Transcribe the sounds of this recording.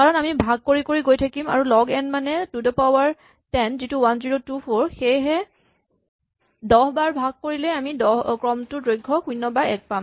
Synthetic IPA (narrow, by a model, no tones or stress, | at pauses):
kaɹɔnamibʱaɡ̚koɹikoɹiɡojtʰakima̰ɹulɔɡɛnmanɛtudɔpawaɹ | tɛnzituwanziɹotupʰɔɹxejɦɛ | dɔɦbaɹbʱaɡ̚koɹilɛamidɔkɹɔmtʊdɹojɡʱːɔxujnːɔbaɹɛ̰k̚pam